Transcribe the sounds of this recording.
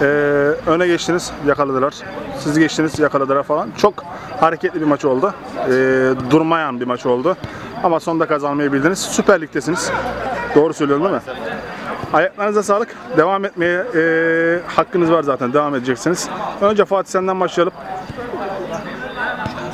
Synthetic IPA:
ɛːønɛɟɛt͡ʃt̪ʰiniz̥jakalˠad̪ɯlˠaɾ̥siziɟɛt͡ʃt̪ʰinizjakalˠad̪ɯlˠaɾfalˠant͡ʃʰo̞k | haɾecʰɛt̪lʲibiɾmat͡ʃʰo̞lˠd̪ʊ | ɛːd̪uɾmajanbimat͡ʃʰo̞lˠd̪ʊ | amaso̞nd̪akʰazanmajabilʲd̪iniz̥sypæɾlʲic̚t̪ʰes̬iniz̥d̪̥o̞ːɾusølʲijɾumnd̪imɪ | hajaklˠaɾɯnɯzas̬aːlˠɯk | d̪e̞vamɛt̪̚mejɛ | hakːɯnɯzvaɾzaːt̪ʰænd̪e̞vamed̪ed͡ʒɛcsiniz̥ønd͡ʒɛfaːt̪ʰisɛnd̪ænbaʃlˠalˠɯp̚

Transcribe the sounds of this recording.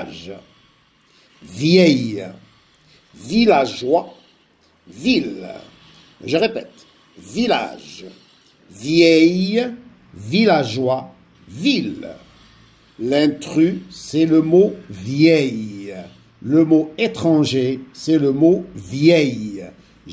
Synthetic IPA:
ʒ | vjɛj | vilaʒwa | vil | ʒəʁepɛ̰t̪ | vila̰ʒ | vjɛj | vilaʒwa | vil | lɛ̃t̪χysɛləmovjɛj | ləmoet̪χɑ̃ʒesɛləmovjɛj

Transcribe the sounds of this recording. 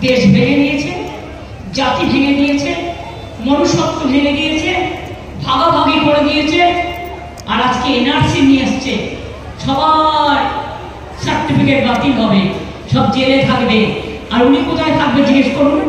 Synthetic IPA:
d̪eʃbʱeɡenijet͡ɕʰe | d͡ʑat̪ibʱeɡed̪ijet͡ɕʰe | monuʃɔt̚t̪ːobʱeɡed̪ijet͡ɕʰe | bʱaɡabʱaɡikoɾed̪ijet͡ɕʰe | aɾad͡ʑkeenaɾsiniaʃt͡ɕʰe | ʃɔbaɾ | saɾʈifikeʈbat̪ilɦɔbe | ʃɔb̚d͡ʑelet̪ʰakbe | aɾunikot̪ʰaet̪ʰak̚bed͡ʑiɡeʃkoɾun

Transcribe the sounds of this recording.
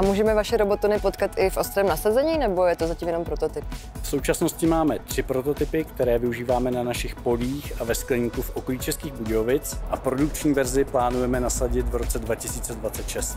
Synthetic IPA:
amuːʒɛmɛvaʃɛɾo̞bo̞t̪onɪpo̞t̪kat̪ʔɪfʔo̞st̪ɾɛːmnasazɛɲiːnɛbo̞jɛt̪ozaciːmjɛno̞mpɾo̞t̪o̞t̪ɪp | fso̞wt͡ʃasnoscɪmaːmɛt̪r̝̥ɪpɾo̞t̪o̞t̪ɪpɪkt̪ɛɾɛːvɪuʒiːvaːmɛnanaʃɪxpo̞liːxʔavɛsklɛɲiːkufʔo̞koliːt͡ʃɛskiːɣbuɟɛovɪt͡sʔapɾo̞duk̚t͡ʃɲiːvɛɾzɪplaːnujɛmɛnasaɟɪt̪vɾo̞t͡sɛdvacɪsiːt͡sɛdvatt͡sɛt̪ʃɛst̪

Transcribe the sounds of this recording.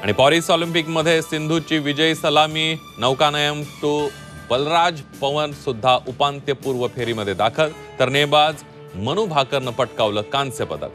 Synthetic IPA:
a̰ɽ̃ipɔɾisɔlimpikməd̪ʱːjesind̪ʱut͡ɕiːʋid͡ʑəjsəlamiː | nəʋkanəjəmt̪o | b̥əlɾad͡zpəʋənsud̪ʱːaʔupant̪jəpuːɾʋəpʰeɾiːməd̪ʱːjed̪akʰəl | t̪əɾnebad͡z | məñubʱakəɾnəpəʈkaʋləːkãnsjəpəd̪ʱə̰l

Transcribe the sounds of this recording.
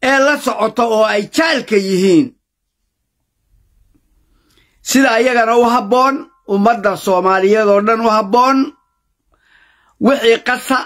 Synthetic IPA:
ʔɛːlɐsɔʕɔt̪ʰɔɔːɛjt͡ʃalkʰɐjɪɦiːn | sɪðɐːjɐɣɐnɐʊɦɐbɔːn | ʊmɐd̪ːɐsɔːmaːlɪjɛðɔːɖɐnʊhɐbɔːn | wɪħiːqɑsɐ

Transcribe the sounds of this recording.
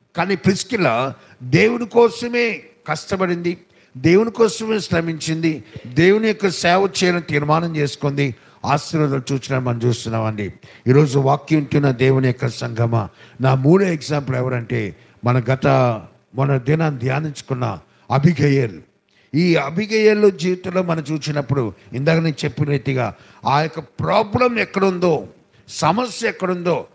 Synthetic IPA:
kaːniːpɾiskilːɐ | d̪eːwunikɔːsɐme̞ː | kɐʂʈɐbɐɽind̪i | d̪e̞ːwunikɔːsɐme̞ːsɾɐmʱiɲt͡ʃind̪id̪eːwunijɔkːɐsɛːʋɐt͡ʃɛːjɐnɐt̪iːɾmaːnɐmt͡ʃe̞ːsu̥kond̪i | aːst̪ɐɾɐd̪ɐlɐt͡ʃuːt͡ʃinaːmɐnɐmt͡ʃuːst̪unːaːmɐɳɖiiːɾo̞ːd͡ʒuʋaːkjunt̪unːɐd̪eːwunijɔkːɐɾɐsɐŋɡʱɐmɐ̰naːmuːɽueɡzaːmp̬ulɛʋɐɾɐɳʈe̞̰ː | mɐnɐɡɐt̪ɐ | mɔnːɐd̪inaːnd̪jaːniɲt͡ʃu̥kunːɐ̰ | ɐbʱiɡɐjɐlːu | iːɐbʱiɡɐjɐlːoːd͡ʒiːʋit̪ɐlːo̞ːmɐnɐmt͡ʃuːt͡ʃinɐpːuɽuind̪aːkɐneːt͡ʃepːinɐt̪iɡaː | aːjɔkːɐpɾaːblɐmɛkːɐɽund̪oː | sɐmɐsjɐɛkːɐɽund̪o̞ː

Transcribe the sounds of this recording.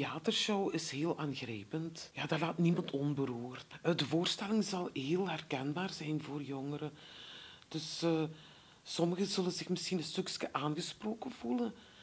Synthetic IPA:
tjaːtərʃowɪsɦeːlˠʔaːnɣrɛjpəntjaːdalaːtnimɑntɔnbəɾuːrtdəvoːrstɛlɪŋzɑlˠɦeːlˠɦɛrkɛnbaːrzɛjnvoːrjɔŋəɾə | d̥ɵsː | sɔməɣəzɵlənzɪxməsxinənstɵkskəʔaːnɣəsproːkəvulən

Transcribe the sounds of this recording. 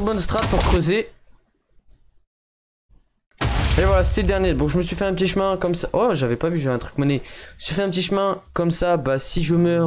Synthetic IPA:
bɔnst̪χat̪̚puʁkχøze | evwalase̥t̪ɛd̪ɛʁnjed̪ɔ̃ʒəməsɥifɛɛ̃p̬ət̪iʃmɛ̃kɔmsaʔɔʒavɛpavyʒavɛɛ̃t̪χy̥kmɔnɛʒəməsɥifɛɛ̃pət̪iʃmɛ̃kɔmsabasiʒəmœʁ

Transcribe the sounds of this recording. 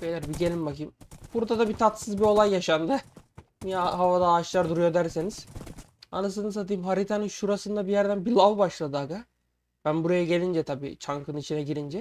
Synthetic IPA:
pejlʲæɾbiɟe̞lʲimbakɯmb̥uɾd̪ad̪abit̪ʰat̪sɯzbio̞lˠajːaʃand̪ɯ | mijaɦavad̪aːt͡ʃlˠaɾd̪uɾujo̞d̪æɾseniz̥ | a̰nɯs̬ɯnɯsat̪̬ʰɯjɯmɦaɾit̪ʰanɯnʃuɾasɯnd̪abijæɾd̪ænbilˠavbaʃlˠad̪ɯaɡa | b̥ænbuɾajaɟe̞lʲind͡ʒɛt̪ʰabḭːt͡ʃʰaŋkɯnit͡ʃʰinɛɟiɾind͡ʒɛ

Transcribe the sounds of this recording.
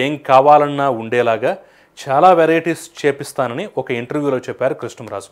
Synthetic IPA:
eːŋkaːʋaːlɐnːaːuɳɖɛːlaːɡaː | t͡ʃaːlaːʋeɾɐjiʈiːst͡ʃeːpist̪aːnɐniɔkɐiɳʈɐɾʋjuːlo̞ːt͡ʃɛpːaːɾukɾiʂɳɐmɾa̰ːd͡ʒu̥

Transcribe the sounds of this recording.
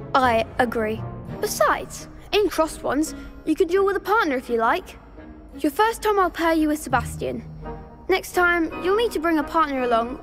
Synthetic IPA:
aɪəɡɹib̥ɪsaɪdz̥ | ɛ̃nikʰɹ̥ɒst̚wʌ̰̃nz̥jɨkʰɨ̃ndilˠwɪðəpʰɑɹʔⁿnə˞ɨfjəlaɪk | jəfɜˑ˞stʰãɪ̃maɪlˠpʰɛɪjəɪ̥səbastiɨ̰̃n | nɛkstʰãɪ̃mjəlˠmitʰəbɹɪ̃ŋəpʰɑɹʔⁿnə˞əlɔ̃ŋ

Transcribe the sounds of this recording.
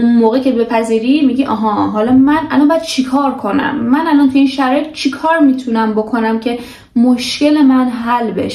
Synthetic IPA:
unmoːɣecʰe̞be̞pʰæziːɾimiɟiʔɒɦɒɦɒlɒmænʔæ̰lɒmbjæd̪̥̚t͡ʃʰikʰɒːɾkʰo̞næ̰mːænælɒnt̪ʰuinʃæɾɒːjet̪̚ʰt͡ʃʰikʰɒːɾmiːt̪ʰunæmbokʰo̞næmcʰe̞ | moʃce̞le̞mænɦælbe̞̰ʃe̥

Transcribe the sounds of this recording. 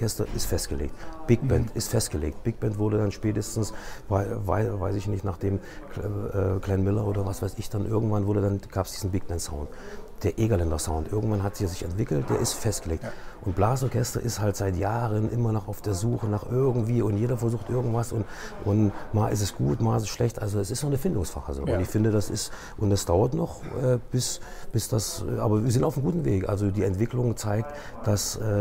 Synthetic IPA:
kɛstɐʔɪstfɛstɡ̥əlḛːk̚tb̥ɪɡ̚b̥ɛntɪstfɛstɡ̥əlḛːk̚t̚b̥ɪɡ̚b̥ɛntv̥ʊɐɾədanʃpɛːtəstn̩svaɪva̰ɪva̰ɪsɪçnɪçtnaːχd̥eːm | ʔɛːkl̥ɛnmɪlɐʔoːdɐvasv̥aɪsɪçd̥anʔɪɐɡŋ̩tv̥anvʊɐdədanɡ̥aːpsd̥iːzn̩bɪɡ̚b̥ɛntsaʊntd̥eːɐʔeːɡalɛndɐsaʊntʔɪɐɡŋ̩tv̥anɦatz̥iːɐzɪçɛntv̥ɪkl̩td̥eːɐʔɪstfɛstɡ̥əleːk̚tʔʊnt̚b̥laːsɔɐkʰɛstɐ̰ʔɪsthaltz̥aɪtjaːʁənʔɪmɐnɔχaʊfd̥eːɐzuːxənaːχʔɪɐɡŋ̩tv̥iːʊntjeːɾɐfɛɐzuːxtʔɪɐɡŋ̩tv̥asʔʊntʔʊnmaːʔɪstɛsɡ̥uːtmaːɪs̬sʃlɛçtʔalzoɛsɪstnɔχnəfɪndʊŋsfa̰ʁə̰zo̰ʊntɪçfɪndədasɪst | ʔʊntd̥asd̥aʊɐtnɔχʔɛːb̥ɪsb̥ɪsd̥asʔaːbɐviːɐzɪntaʊfm̩ɡuːtn̩veːkʔa̰lzodiːɛntv̥ɪklʊŋt͡saɪk̚t | d̥asʔɛː

